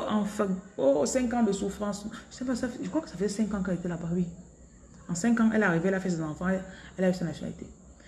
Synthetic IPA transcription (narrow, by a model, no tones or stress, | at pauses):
ɑ̃fɛosɛ̃kɑ̃d̪əsufʁɑ̃sʒəsɛpasafʒəkwakə̥safəzɛsɛ̃ŋkãkãɛlet̪ɛlapaɥi | ɑ̃sɛ̃ŋkɑ̃ʔɛlaʁiveɛlafɛs̬ɛzɑ̃fɑ̃ɛlaysanasjɔna̰lḭt̪ḛ